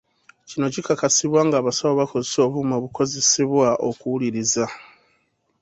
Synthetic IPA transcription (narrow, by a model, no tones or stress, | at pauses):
cino̞cikakasiβwaːŋɡaːβasaβoβako̞zeso̞βumaβuko̞ze̞siβwaʔo̞̰kuwuliɾiza